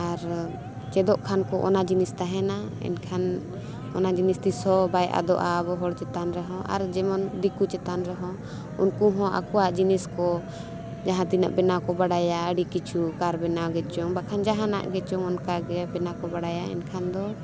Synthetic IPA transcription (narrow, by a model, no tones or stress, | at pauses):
aɾ | t͡ʃɛd̪ɔʔkʰankɔʔɔ̰nad͡ʒinist̪aɦɛna | ɛ̰nkʰan | ɔnad͡ʒinist̪isɔbajʔa̰d̪ɔ̰ʔabɔɦɔɽt͡ʃɛt̪anɾɛɦɔ̃ʔa̰ɾd͡ʒɛmɔnd̪ikut͡ʃɛt̪anɾɛɦɔ̃ | unkuɦɔ̃ʔa̰kuwaʔd͡ʒiniskɔ | d͡ʒaɦãt̪ina̰ʔbɛnakɔbaɽajaəɽikit͡ʃʰukaɾbɛnawɡɛt͡ʃɔŋbakʰand͡ʒaɦãna̰ʔɡɛt͡ʃɔŋɔnkaɡɛbɛnakɔbaɽajaɛ̰nkʰand̪ɔ